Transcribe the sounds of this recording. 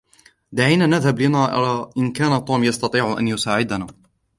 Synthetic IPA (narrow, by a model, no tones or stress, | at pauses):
d̪aʕiːnaːnaðhablɪnaːʔa̰ɾaʔɪnkaːnat̪ˤuːmjɑst̪ɑt̪ˤiːʕʔa̰njʊsaːʕɪd̪anaː